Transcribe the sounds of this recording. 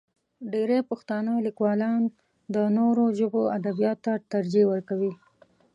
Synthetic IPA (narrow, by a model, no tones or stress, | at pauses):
ɖeɾepʊxt̪anəlikwɑlɑn | d̪ənoɾoʒəboad̪abijɑt̪t̪ːat̪aɾd͡ʒewəɾkawi